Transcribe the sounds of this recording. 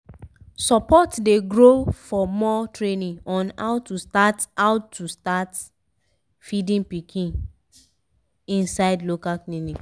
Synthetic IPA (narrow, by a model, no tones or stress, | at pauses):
sɔpɔtdeɡɹofɔmɔtʰɹenĩɔ̃na̰ʊtustataʊtʰːustat | fidĩnpikʰĩn | ĩnsaɪdlokaknĩnĩ